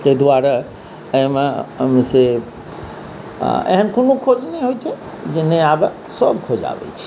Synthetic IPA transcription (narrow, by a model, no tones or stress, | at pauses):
t̪ed̪uaɾə | eɦmãmse | ḛɦənkonokʰod͡ʒneɦojt͡ʃʰe | d͡ʒinːeab | sɔbkʰod͡ʒa̰ʋɛ̰t͡ʃʰi̥